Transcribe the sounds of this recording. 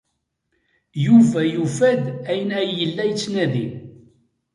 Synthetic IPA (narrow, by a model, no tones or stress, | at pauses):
juvæjufæd̪æjənæjəlːæjt͡sːnæði